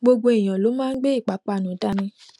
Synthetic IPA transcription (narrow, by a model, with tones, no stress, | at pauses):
ɡ͡bo˧ɡ͡bo˧i˨j̃ã˨lo˨˦mãː˦n̩˦ɡ͡be˦i˦˨k͡pa˨˦k͡pa˧˨nũ˨˦ta˧nĩ˧